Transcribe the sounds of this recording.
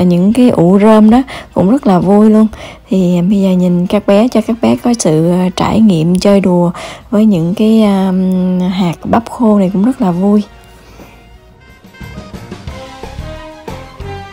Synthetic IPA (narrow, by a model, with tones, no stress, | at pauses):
ɲɨ̰˧˥ŋkaː˨˦jʔṵ˧˩zəː˧mɗɔ˨˦kʊ̰˧˥ŋ͡mzə˦˥t̚laː˨˩vu˧jlu˧ənt̪ʰi˨˩˨ɓə˧jzəː˨˩ɲï˨˩ŋkaː˦˥k̚ɓɛ˨˦t͡ɕɔ˧kaː˦˥k̚ɓɛ˨˦kɔ˨˦sɨ̰˧˨˩t͡ɕa̰ː˧˩jŋḭ˧˨əmt͡ɕəː˧jɗu˨˩əvəː˨˦jɲɨ̰˧˥ŋkaː˨˦j | ɦaː˨˩k̚ɓa˦˥p̚xo˧na˨˩jkʊ̰˧˥ŋ͡mzə˦˥t̚laː˨˩vu˧j